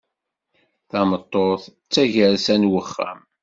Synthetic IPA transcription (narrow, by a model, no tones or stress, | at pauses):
θɑmət̪ˤːoθ | t͡sːæʝəɾsænwəχːæ̰m